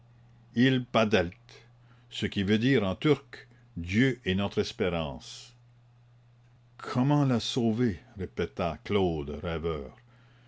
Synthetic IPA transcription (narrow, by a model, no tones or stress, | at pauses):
ilpad̪ɛlt̪ | səkʲivød̪iːʁɑ̃t̪yʁk | d̪jøʔɛnɔt̪χɛspeʁɑ̃s | kʰɔmɑ̃lasoveʁepet̪aklod̪ʁɛvœːʁ